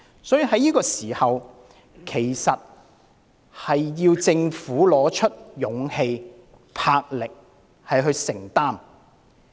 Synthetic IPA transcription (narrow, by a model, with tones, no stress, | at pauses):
sɔː˨˥jiː˧hɐ˨˥jːiː˥kɔː˧siː˨˩hɐ˨w | kʰe˨˩jsɐ˨t̚ | hɐ˨jːiː˧wt͡sɪ˧ŋfuː˨˥lɔː˨˧˥t͡ʃʰɵ˥t̚jʊ˨˥ŋhe˧j | pʰaː˧k̚lɪ˨k̚ | hɐ˨jɦɵ˧ɥsɪ˨˩ŋt̪aː˥m